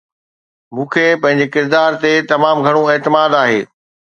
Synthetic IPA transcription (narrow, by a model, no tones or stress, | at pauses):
mũːkʰepɐ̃ɦɪ̃ɲd͡ʑekɪɾd̪aːɾt̪et̪ɐmaːmɡʱɐɽ̃õeːt̪ɪmaːd̪aːɦḛː